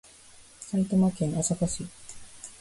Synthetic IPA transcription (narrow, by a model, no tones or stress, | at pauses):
sait̪omakẽnosakaɕi